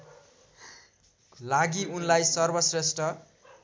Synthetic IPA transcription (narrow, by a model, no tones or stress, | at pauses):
laɡiunlajsʌrbʌsresʈʌ